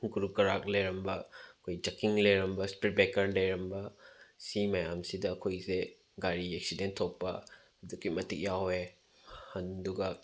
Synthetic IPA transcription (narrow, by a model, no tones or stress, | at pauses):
ɡuɾukɐɾak̚lejɾɐmbɐɐkʰojd͡ʒɐkiŋlejɾɐmbɐspɾit̚bekɐɾlɐjɾɐmbɐsimɐjamsidɐːkʰojze | ɡaɾieksidentʰok̚pɐ | ɐdukimɐtʰik̚jawe | hɐnduɡɐ